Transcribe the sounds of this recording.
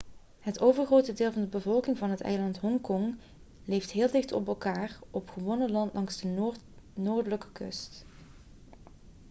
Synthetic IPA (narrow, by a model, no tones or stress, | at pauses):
ɦətowvəɹχrowtədɪːlˠvɑndəbəvɔlˠkɪŋvɑnɦətɛ̰jlɑntɦɔŋkɔŋ | lejftɦɪːlˠdɪχtɔ̰pɛlˠkaːrʔɔpχəʋɔnəlɑntlʔɑŋzdə | noːɹdələkə̥kɵ̰st